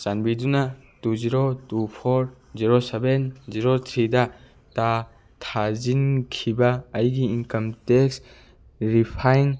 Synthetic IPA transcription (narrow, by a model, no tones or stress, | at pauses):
sanbiduna | tuziɾotupʰɔɾ | ziɾosebenziɾot̪ʰɾidɐ | ta | tʰazinkʰibɐːjɡiinkɐmteks | ɾipʰajn